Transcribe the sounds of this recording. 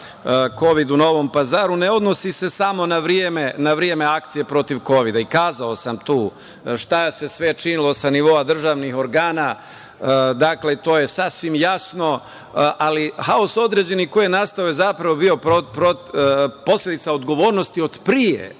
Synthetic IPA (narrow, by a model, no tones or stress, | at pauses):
ko̞ʋid̪uno̞ʋo̞mpazaːɾune̞o̞d̪no̞sise̞samo̞naʋɾijeme̞naʋɾje̞me̞ak̚t̪sije̞pɾo̞t̪iʋko̞ʋid̪aikaːzao̞samt̪uː | ʃt̪aese̞sʋe̞t͡ʃinilˠo̞saniʋo̞ad̪r̩ʒaːʋnixo̞ɾɡaːna | d̪akle̞t̪o̞ːje̞sasʋimjasno̞ | ʔalihaoso̞d̪ɾe̞ːd͡ʑe̞nikojenast̪aojezapɾaʋo̞bio̞popɾopo̞slʎʲe̞d̪it̪sao̞d̪ɡo̞ʋo̞ːɾnost̪io̞d̪pɾijḛ